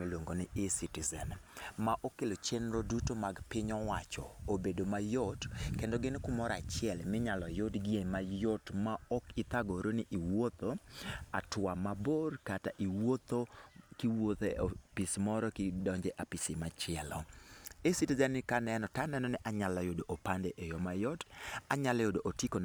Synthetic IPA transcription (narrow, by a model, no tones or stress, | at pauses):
melwoŋɡonɪʔesitizɛnmaʔokelot͡ʃenɾodutomaɡpɪɲɔwat͡ʃɔobedomajotkendoɡɪnkʊmɔɾa̰t͡ʃɪɛlmɪɲalɔjotɡiemajotmaɔkɪt̪aɡoɾonɪʔiwot̪oatwamaborkataʔiwot̪okiwot̪eopɪsmɔɾɔkɪdɔɲd͡ʒɛʔapɪsɪmat͡ʃɪɛlɔesitzanɪkanɛnɔtanɛnɔnɛʔaɲalajodoʔopandɛʔejɔmajɔtaɲalajodoʔotiko